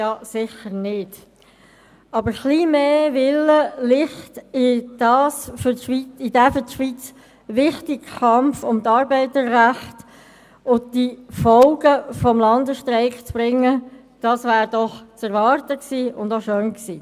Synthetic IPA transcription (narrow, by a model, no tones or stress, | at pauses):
jɑsɪχəɾnɪd̥ | ɑbəɾχliːmeːʋɪləlɪχtɪd̥ɑːsfʏʃʋiɪd̥æfətʃʋit͡s | ʋɪχtɪkkɑmfʊmtɑːɾbɛɪtəɾræχt | ʊn̚difɔlɡəfɔmlɑnd̪əʃtɾɛɪkt͡sb̥ɾɪŋːə | d̥ɑːsʋæːɾd̥ɔχt͡sɛɾʋɑɾtəksiːʊndoʃøːnksḭː